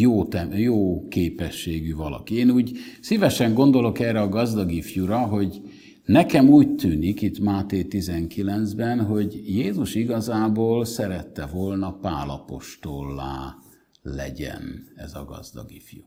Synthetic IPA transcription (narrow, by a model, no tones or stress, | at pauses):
joːt̪ɛjoːkeːpɛʃːeːɡyvɒlɒ̰kieːnuːɟsivɛʃɛŋɡo̞nd̪o̞lo̞kɛːrɛɒɡɒzd̪ɒɡifjuɾɒɦo̞ɟ | nɛkɛmuːct̪ʰyːnikit̪maːt̪eːt̪izɛŋkilɛnzbɛnɦo̞ɟjeːzuʃiɡɒzaːboːlsɛɾɛt̪ːɛvolnɒpaːlɒpo̞ʃt̪olːa̰ː | lɛ̰ɟɛ̰nɛ̰zɒ̰ɡɒ̰zd̪ɒ̰ɡifju